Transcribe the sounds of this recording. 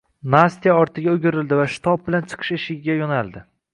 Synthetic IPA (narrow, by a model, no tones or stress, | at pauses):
nast̪ijaɒɾt̪ʰɪɡʲaʊɡʲɪɾɪld̪ɪvaʃɪ̥t̪ʰɒp̚bɪlant͡ʃʰɨ̥qʰɨ̥ʃɪʃɪɡʲɪɡʲajɒnalˠd̪ɪ